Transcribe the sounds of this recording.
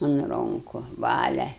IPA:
ʊn ˈroːŋkʊ ˈʋɑːlʲɛ

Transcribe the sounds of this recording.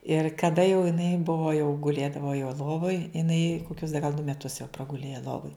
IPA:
ɪr kɐˈdɐ jɛʊ jɪˈnɐɪ ˈbʊʋoː jɛʊ ɡʊˈlʲeːdɐʋoː jɛʊ ˈlˠoːʋoːj ɪˈnɐɪ koːˈkʲʊs dɐ ɡɐlˠ dʊ mʲɛˈtʊs jɛʊ prɐɡʊˈlʲeːjɛ ˈlˠoːʋoːj

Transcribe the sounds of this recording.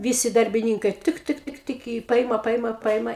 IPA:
ˈʋʲiːsʲɪ dɐrʲbʲɪˈnʲiːŋkɐɪ ˈtɨk ˈtɨk ˈtɨk tɨk ɪ ˈpɐɪmɐ ˈpɐɪmɐ ˈpɐɪmɐ

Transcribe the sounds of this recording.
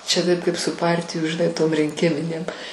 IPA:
t͡ʃʲɛ ˈtɐɪp ˈkɐɪp sʊ ˈpɐrʲtʲɪjuː ʒʲɪˈnɐɪ toːm rʲɪŋʲˈkʲɪmʲɪnʲeːm

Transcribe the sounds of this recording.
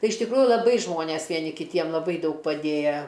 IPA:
ˈtɐɪ ɪʃ tʲɪkˈruːjʊ lˠɐˈbɐɪ ˈʒmoːnʲeːs ʋʲiɛˈnʲɪ kʲɪˈtʲiɛm lˠɐˈbɐɪ ˈdɐʊk pɐˈdʲeːjɛ

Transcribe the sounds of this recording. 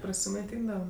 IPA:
prɐsʲɪmɐɪˈtʲiːndɐʋɐ

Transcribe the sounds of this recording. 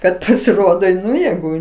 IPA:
ˈkɐt pɐsʲɪˈroːdoː ˈnʊ jeːˈɡʊ

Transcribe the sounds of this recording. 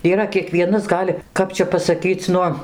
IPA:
iːˈrɐ kʲiɛˈkʋʲiɛnɐs ˈɡɑːlʲɪ ˈkɐp t͡ʃʲɛ pɐsɐˈkʲiːt͡s ˈnʊ

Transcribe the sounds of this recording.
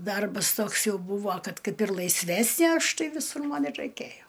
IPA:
ˈdɐrbɐs ˈtoːks ˈjɛʊ ˈbuːʋoː ˈkɐt ˈkɐɪp ɪr lˠɐɪsʲˈʋʲæːsʲnʲeː ˈɐʃ ˈtɐɪ ʋʲɪˈsʊr ˈmɐn ɪr rɐɪˈkʲeːjoː

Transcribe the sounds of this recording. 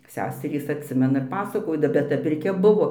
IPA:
ˈsʲæːsʲɛrʲiːs ɐtʲˈsʲɪmʲɛnɐ ɪr ˈpɑːsɐkoːdɐ bʲɛt ˈtɐ pʲɪrʲˈkʲɛ ˈbʊʋoː

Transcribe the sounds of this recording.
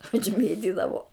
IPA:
ʊʒʲˈmʲeːtʲɪdɐʋoː

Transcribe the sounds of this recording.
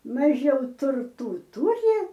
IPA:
mɐˈʒʲɛʊ tʊrˈtuː ˈtʊrʲɪ

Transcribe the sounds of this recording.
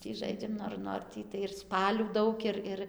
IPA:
ˈtʲiː ˈʒɐɪd͡ʒʲɛm ˈnoːr ˈnoːr tʲiː tɐɪ ɪr ˈspɑːlʲuː ˈdɐʊk ɪr ˈɪr

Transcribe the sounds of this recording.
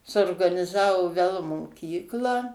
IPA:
suɔrɡɐnʲɪˈzɑːʋoː ʋʲɛlˠ moːˈkʲiːklˠɑː

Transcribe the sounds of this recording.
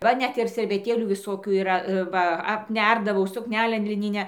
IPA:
ˈʋɐ ˈnʲɛt ɪr sʲɛrʲʋʲɛˈtʲeːlʲuː ʋʲɪˈsoːkʲuː iːˈrɐ ˈʋɐ ɐpʲˈnʲɛrdɐʋɐʊ sʊkˈnʲæːlʲɛn lʲɪˈnʲɪnʲæː

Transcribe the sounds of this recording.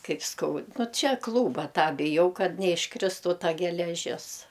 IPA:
ˈkɐɪp ˈskɐʊt ˈnʊ ˈt͡ʃʲɛ ˈklˠuːbɐ ˈtɑː bʲɪˈjɛʊ ˈkɐt nʲɛɪʃˈkrʲɪstuː ˈtɐ ɡʲɛlʲɛˈʒʲɪs

